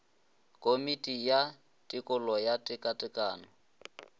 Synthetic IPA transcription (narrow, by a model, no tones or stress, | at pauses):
kʼomitʼija | tʼɪkʼʊlɔjatʼɪkʼatʼɪkʼaːnɔ